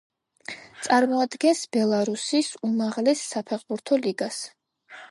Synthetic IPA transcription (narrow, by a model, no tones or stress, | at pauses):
t̪sʼaɾmɔad̪ɡɛnsb̥ɛlˠaɾusisumaʁlɛsːapʰɛʁbuɾt̪ʰɔliɡas